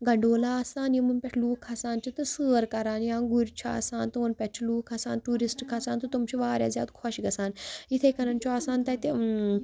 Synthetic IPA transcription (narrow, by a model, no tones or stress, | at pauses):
ɡɐɳɖoːlaːsaːnjimunpʲɛʈʰluːkʰɐsaːnt͡ʃit̪ɨsəːɾkɐɾaːnjãːɡuɾʲt͡ʃʰia̰ːsaːnt̪umɐnpʲɛʈʰluːkʰasaːnʈuːɾisʈkʰasaːnt̪ut̪umt͡ʃʰiʋaːɾʲja̰ːzʲja̰ːd̪kʰɔʃɡɐsaːnit̪ʰekɐɾɐnt͡ʃoaːsaːnt̪ɐt̪e